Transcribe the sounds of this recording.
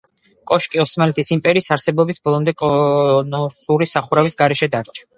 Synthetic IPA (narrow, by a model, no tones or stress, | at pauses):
kʼɔʃkʼiɔsmalɛt̪ʰisimpʼɛɾiːsaɾsɛbɔbisbɔlˠɔmd̪ɛkʼɔnɔsuɾisaχuɾavisɡaɾɛʃɛd̪aɾt͡ʃʰḁ